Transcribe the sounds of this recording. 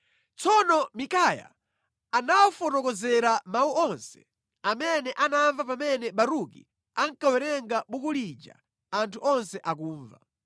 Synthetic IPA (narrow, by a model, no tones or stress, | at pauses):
t͡sɔnɔmikaja̰ | anawɔfɔnɔkɔzɛɾamawuʔɔnsɛ̥ | amɛnɛʔanaɱvapamɛnɛɓaɾukḭ | aŋ̩kawɛɾɛŋɡaɓukulid͡ʒa̰ | antʰuʔɔnsɛʔak̬uːɱva̰